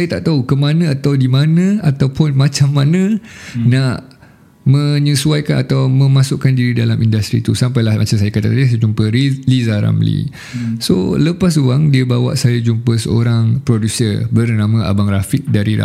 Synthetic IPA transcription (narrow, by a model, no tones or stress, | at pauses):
ajat̪aʔt̪aukəmanãat̪awdimanə̃at̪awpʊnmat͡ʃamːanãnaʔ | mə̃ɲəsuajkanat̪awmə̃mãsʊʔkandiɾidalamindast̪ɾḭt̪usampajlahmat͡ʃamsajakat̪at̪adisajd͡ʒumpəilizaɾa̰mlḭ | so̰ləpas̬uaŋdiəbawa̰ʔsajad͡ʒumpəsə̰o̰ɾaŋpɾodusəbərnamãa̰baŋɾafit̪̚daɾiɾa̰